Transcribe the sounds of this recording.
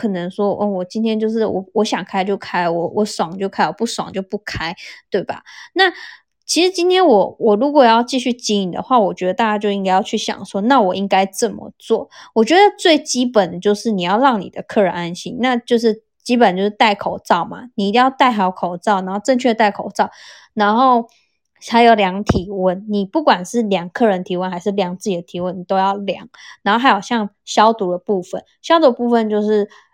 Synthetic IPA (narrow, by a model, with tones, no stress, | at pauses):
kʰɤ˨˩nə˧˥ŋʂwɔ˥ʔɔ˥˩wɔ˨˩t͡ɕi˥nt̪ʰjɛ˥nt͡ɕjo˥˧ʊʂ̬ɻ̩˥˩wɔ̰˨˩wɔ˧˦˥ɕjɑ˨˩ŋkʰa˥ɪt͡ɕjo˥˧ʊkʰa˥ɪlwɔ˨˩˦wʔɔ˧˥swɑ˨˩ŋt͡ɕjo˥˧ʊkʰa˥ɪwɔ˨˩pu˥˩swɑ̰˨˦ŋt͡ɕjo˥˧ʊpu˥˩kʰa˥ɪt̪we˥˩ɪba̰˩na˥˩ | t͡ɕʰi˧˥ʂɻ̩˧˥t͡ɕi˥nt̪ʰjɛ˥nwɔ˨˩wɔ˨˩ɻu˧˥kwɔ˨˩jɑ˥˧ʊt͡ɕi˥˧ɕy˥˩t͡ɕi˧˥i˨˩d̪ə̰˨xwa˥˩wɔ˨˩t͡ɕɥɛ˧˥d̪ə˧t̪a˥˩t͡ɕja˥t͡ɕjo˥˧ʊi˥ŋka˥jɑ˥˧ʊt͡ɕʰy˥˩ɕjɑ̰˨˩ŋʂwɔ˥na˥˩wɔ˨˩i˥ŋka˥ɪʈ͡ʂə˥˩mə̰˩t͡swɔ˥˩wɔ˨˩t͡ɕɥɛ˧˦˥d̪ə˧t͡swe˥˩ɪt͡ɕi˥pə˨˩nd̪ə˩t͡ɕjo˥˧ʊʂɻ̩˥˩ni˨˩jɑ˥˧ʊɻɑ˥˩ŋnḭ˨˩d̪ə˦kʰɤ˥˩ɻə̰˧˦a˧˥nɕḭ˥ŋna˥˧t͡ɕjo˥˧ʊʂ̬ɻ̩˥˩ | t͡ɕi˥pə˨˩nt͡ɕjo˥˧ʂɻ̩˥˧t̪a˥˩ɪkʰo˨˩ʊt͡sɑ˥˩ʊma̰˩ni˨˩i˥t̪i˥˧ŋjɑ˥˧ʊt̪a˥˩ɪxa˥jo˧˩kʰo˨˩ʊt͡sɑ˥˩ʊna˧˥nxo˥˧ʈ͡ʂə˥˧nt͡ɕʰɥɛ˥˩ə˧t̪a˥˩ɪkʰo̰˨˩ʊt͡sɑ˥˩ʊ | na˧˥nxo˥˩ʊ | a˧ɪjo˨˩ʊljɑ˧˥ŋt̪ʰi˧˥wə˥˧˩nni˨˩pu˥˩kwa˨˩nʂɻ̩˥˩ljɑ˨˩ŋkʰɤ˥˩ɻə˧˦nt̪ʰi˧˥wə˧˦nxa˧ɪʂɻ̩˥˩ljɑ˨˥ŋt͡sɹ̩˥˩t͡ɕi˨˩d̪ə˩t̪ʰi˧˥wə˧˥nni˨˩t̪o˥ʊjɑ˥˩ʊljɑ̰˨˦ŋna˧˥nxo˥˩xa˧˥jo˨˩ʊɕjɑ˥˧ŋ | ɕjɑ˥ʊt̪u˨˥d̪ə˨˧pu˥˩fə˨˩nɕjɑ˥ʊt̪u˧˥d̪ə˧pu˥˧fə˨nt͡ɕjo˥˧ʊʂɻ̩˥˩